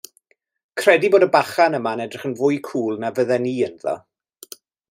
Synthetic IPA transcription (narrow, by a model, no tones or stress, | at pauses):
kʰr̥ɛdiboːdəbaχanəmanɛdrɪχənvʊjkʰuːlˠnavəðɛniːənðɔ̰